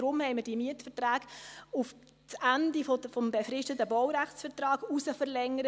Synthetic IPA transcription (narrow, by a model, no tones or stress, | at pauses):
ɾʊmhɛɪməɾd̥imiətfəɾtɾæːɡ̥uf | t͡sændifɔəfɔmbefɾɪʃtətəbɔwɾæχtt͡sfəɾtrɑːɡusəfəɾlɛŋːəɾə